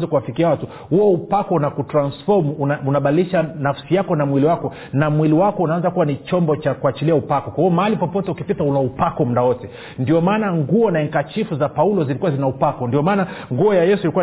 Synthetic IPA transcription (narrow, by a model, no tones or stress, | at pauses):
zakuwafikiawatu | huɔupakɔnakutɾansfɔɾmunaɓadiliʃanafsijakɔnamwiliwakɔ | namwiliwakɔunaanzakuwanit͡ʃɔmbɔt͡ʃakuat͡ʃiliaupakɔkwahiɔmahalipɔpɔtɛukipitaunaupakɔmuɗawɔtɛ | ndiɔmaːnaŋɡuɔnaiŋkat͡ʃifuzapaulɔzilikuwazinaupakɔndiɔmaːnaŋɡuɔjajɛsuilikuwa